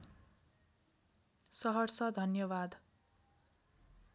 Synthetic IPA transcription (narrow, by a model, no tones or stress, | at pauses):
sʌɦʌrsʌd̪ʱʌnjʌβad̪